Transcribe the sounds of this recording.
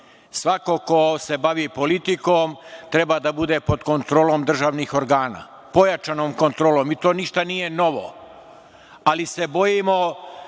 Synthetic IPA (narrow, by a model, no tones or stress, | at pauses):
sʋako̞ko̞se̞baʋipo̞lit̪ikomt̪ɾe̞bad̪abud̪e̞po̞d̪ko̞nt̪ɾoːlˠomd̪r̩ʒaːʋnixo̞ɾɡaːna̰ː | po̞jat͡ʃanoːmko̞nt̪ɾoːloːmit̪o̞ːniʃt̪anije̞no̞ʋo̰ | alise̞bo̞jimo̞